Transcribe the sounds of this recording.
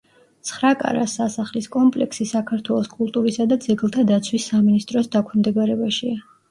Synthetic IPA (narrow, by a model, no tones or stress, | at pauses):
t̪sʰχɾakʼa̰ɾa̰sasaχliskʼɔmpʼlɛ̰ksisakʰaɾt̪ʰwɛlˠɔskʼulˠt̪ʼuɾisad̪ad̪zɛɡlˠt̪ʰad̪at̪sʰwisːaminist̪ʼɾɔsd̪akʰwnmd̪ɛɡaɾɛbaʃia